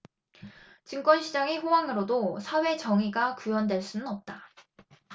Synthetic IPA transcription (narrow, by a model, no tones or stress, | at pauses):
t͡ɕiŋk͈wʌnɕʰid͡ʑaŋiɸowaŋɯɾodosʰawe̞t͡ɕʌŋiɡakujʌndwe̞ɭs͈unɯnʌp̚t͈a